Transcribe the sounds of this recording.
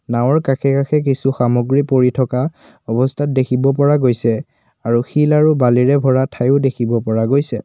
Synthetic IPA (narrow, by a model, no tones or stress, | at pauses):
naw̃ɔɹkaxʰɛkaxʰɛk̬isuxamoɡɹipoɹitʰɔka | ɔbɔstʰat̚dekʰibɔp̬ɔɹaɡojsɛ | aɹuxilaɹubaliɹɛbʱɔɹatʰajʊdekʰibɔpɔɹaɡojsɛ